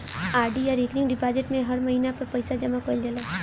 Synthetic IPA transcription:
aːɾɖijaɾekɾɪ̃ŋɡɖipaːd͡ʒɪʈmẽɦɐɾmɐɦinapɐɾpɐɪsad͡ʒɐmakold͡ʒəlaː

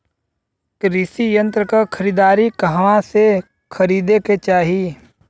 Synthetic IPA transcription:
kɾɪsijə̃nt̪ɾəkakʰəɾiːd̪aːɾikəɦʋãse | kʰəɾiːd̪eket͡ʃaːɦi

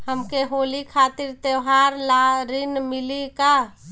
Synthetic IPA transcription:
həmkeɦoːlikʰat̪iɾt̪eɦaɾlaɾinmilika

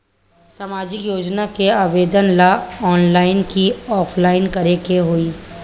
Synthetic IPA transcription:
samaːd͡ʒɪkjoːd͡ʒnakeaːʋeːd̪ənlaɔːnlaːɪnkiɔːpʰlaːɪnkɐɾekeɦoiː

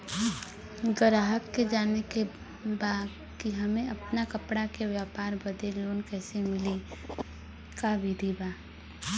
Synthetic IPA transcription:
ɡəɾaːɦəkːed͡ʒaːneke | baːd̪ | kiɦɐmẽɐpnakəpɽakeʋjaːpaːɾbəd̪eloːnkɛːsemɪli | kabʱid̪ʱibaː

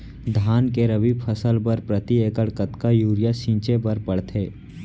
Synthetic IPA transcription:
d̪ʱaːnkeɾəbiːbpʰəsəlpəɾpɾət̪ieːkəɽkət̪kajuːɾɪjaʃĩːt͡ʃebəɾpɐɽt̪ʰɦeː

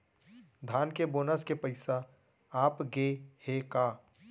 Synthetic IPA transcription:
d̪ʱaːnkeboːnəskepəɪsa | aːpɡehekaː

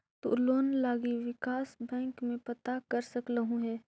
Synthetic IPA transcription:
t̪o̰ːloːnlaːɡiʋɪkaːsbɛ̃ːŋkmẽpɐt̪akɐɾsɐkləɦũɦɛː

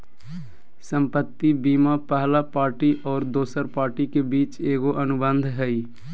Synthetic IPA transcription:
sə̃mpət̪ːibiːmapəɦlapaːɾʈiʔɔːɾd̪oːsəɾpaːɾʈikebiːt͡ʃeːɡoʔənʊbə̃nd̪ʱɦɛi

